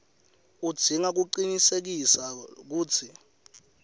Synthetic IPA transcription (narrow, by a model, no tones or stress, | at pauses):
ud̥d̥ʱiŋak̬uǃinisek̬isak̬uːt͡sʰi